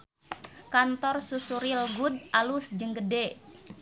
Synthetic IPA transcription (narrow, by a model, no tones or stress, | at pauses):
kant̪ɔrsusuɾilɡud̚ʔalusd͡ʒəŋɡəde